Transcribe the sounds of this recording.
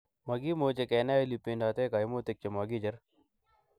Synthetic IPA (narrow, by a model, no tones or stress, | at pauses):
mɐɡimoːt͡ʃekeːnaːilipenaːt̪eːkaːjmoːt̪ek̚t͡ʃemaːɡid͡ʒɐɾ